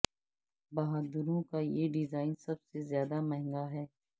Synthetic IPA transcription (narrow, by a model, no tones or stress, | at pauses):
baːɦaːd̪əɾõkajeɖɪzaːɪnsɐbsezjaːd̪amɛɦɪ̃ŋɡaɦɛː